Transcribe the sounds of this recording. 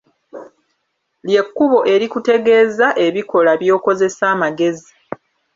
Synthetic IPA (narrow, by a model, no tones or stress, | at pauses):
lje̞kːuβo̞ʔe̞ɾikute̞ɡe̞ːzaʔe̞βiko̞laβjo̞ːko̞ze̞saːmaɡe̞zi